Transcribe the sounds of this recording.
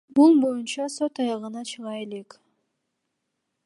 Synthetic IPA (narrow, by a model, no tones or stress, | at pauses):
bulˠbo̞junt͡ʃɑso̞t̪ɑjɑʁɯnɑt͡ʃʰɯʁɑe̞le̞k